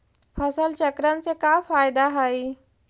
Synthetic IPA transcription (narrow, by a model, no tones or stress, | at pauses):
pʰəsəlt͡ʃəkɾənsekafaːjd̪aɦəi